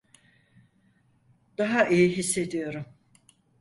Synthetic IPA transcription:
d̪̥aɦaʔijiɦisːe̞d̪ijo̞ɾum

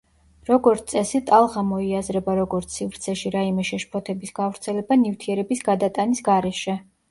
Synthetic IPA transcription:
ɾɔɡɔɾt̪sʼɛsit̪ʼalˠʁamɔiazɾɛbaɾɔɡɔɾt̪sʰivɾt̪sʰɛʃiɾaimɛʃɛʃpʰɔt̪ʰɛbisɡ̥avɾt̪sʰɛlɛbanift̪ʰiɛɾɛbisɡad̪at̪ʼanisɡaɾɛʃɛ

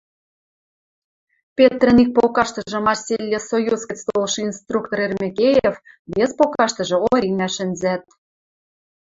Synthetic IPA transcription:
pʲet̪rə̆nik̚pokɑʃt̪ɤ̆ʒɤ̆mɑrsʲelʲːesojuskʲest̪olˠʃɤ̆inst̪rukt̪orermʲekʲejef | βespokɑʃt̪ɤ̆ʒɤ̆oɾʲinæʃɘ̆nzæt̪̚

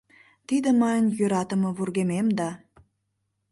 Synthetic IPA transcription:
t̪id̪əmɑnjøɾɑt̪əmɤβurɣememd̪ɑ

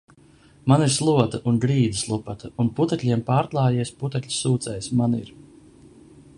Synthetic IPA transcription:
maniɾslˠuɔt̪aʔunɡɾiːd̪islˠupat̪ɐunput̪ɛtʲlʲiɛmpaːɾk̪lˠɑːjiɛsput̪ɛkʲlʲi̥suːt̪sɛjsmaniɾ

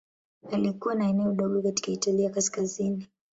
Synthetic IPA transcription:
alikuwanaɛnɛɔɗɔɠɔkati̥kaitaliakaskazini

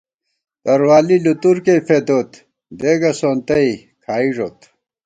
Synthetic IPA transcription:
t̪ɐɾwaːlilut̪uɾkepʰed̪oːt̪ | d̪eːɡɐsoːnt̪ɐi | kʰaːiʐot̪

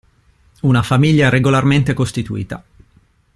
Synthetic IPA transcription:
unafamiʎːaɛreɡolarment̪ekost̪it̪uḭːt̪a̰

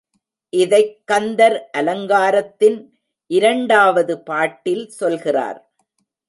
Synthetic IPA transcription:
ʔɪðɐɪkːɐnd̪ɐɾʔɐlɐŋɡaːɾɐt̪ːɪn | ʔɪɾɐɳɖaːʋɐðɯpaːʈːɪlsɔlɣɪra̰ːɾ

